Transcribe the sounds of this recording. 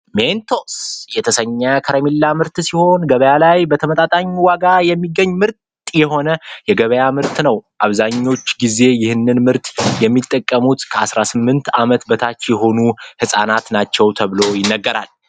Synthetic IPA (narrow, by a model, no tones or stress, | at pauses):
ment̪ʰosjɛt̪ʰəsəɲːakʰəɾemilːamɨɾt̪siho̞nɡəβəjalajbət̪ʰəmət̪ʼat̪ʼaɲːwaɡajɛmːiɡːəɲːmɨɾt̪ | jɛɦo̞nəjɛɡəβəjamɨɾt̪nəwʔaβzaɲːo̞t͡ʃːɡize̞jɪhɨnːɨnmɨɾt̪ʼjɛmːit̪ʼːəkʼːəmut̪kʰəasɾasɨmːɨnt̪amət̪bət̪ʰat͡ʃːjɛɦo̞nuhɨsʼanat̪nat͡ʃːɛwt̪ʰəβlo̞jɪnːəɡːəɾal